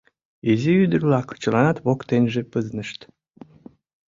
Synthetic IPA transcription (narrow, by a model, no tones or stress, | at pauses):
eziyd̪ərlɑkt͡ɕəlɑnɑt̪βokt̪enʲʒepəznəʃt̪